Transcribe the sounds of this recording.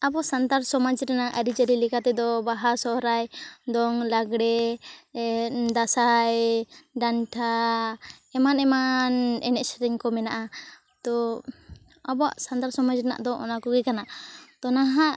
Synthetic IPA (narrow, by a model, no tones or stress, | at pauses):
abɔsant̪aɾsɔmad͡ʒɾɛnaʔaɾid͡ʒaɾilɛkat̪ɛd̪ɔbaɦasɔɾajd̪ɔŋlaɡɽɛ | d̪asajɖanʈʰa | ɛmanɛmanɛnɛʔsɛɾɛɲkɔmɛnaʔa | t̪ɔ | abɔa̰ʔsant̪aɾsɔmad͡ʒɾɛna̰ʔd̪ɔʔɔ̰nakɔɡɛkanaʔt̪ɔnaɦaʔ